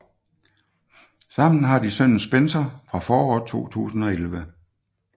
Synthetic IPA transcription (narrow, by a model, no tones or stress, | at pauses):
sɑ̈m̰n̩ɦɑ̈d̥isœn̰n̩sb̥ensɐfʁɑ̈fɒːɒːt͡sʰo̝̰ːt͡sʰṵːsn̩ɒ̽elʋə